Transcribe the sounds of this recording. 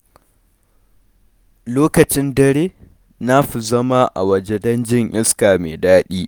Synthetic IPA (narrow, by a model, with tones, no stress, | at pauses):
loː˦kɐ˨t͡ʃɪ˦ndɐ˦ɾeː˦ | na˦ɸi˨zɐ˦ma˦ʔa̰˨wɐ˨d͡ʒe˦dɐ˦nd͡ʒɪ˦ŋʔɪ˦skaː˨mḛː˨daː˦ɗiː˦